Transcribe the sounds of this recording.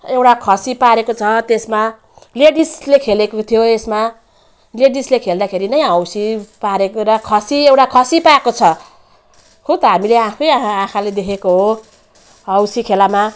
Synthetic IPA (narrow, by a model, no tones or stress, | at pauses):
ewʈakʰʌsipaɾekot͡sʰʌt̪esma | leɽislekʰelekot̪ʰijoesma | leɽislekʰeld̪akʰeɾinʌjʌwsipaɾekoɾʌkʰʌsiewʈakʰʌsipaekot͡sʰʌ | kot̪ʌɦamileãkʰʌjaãkʰaled̪ekʰekoɦo | ʌwsikʰelama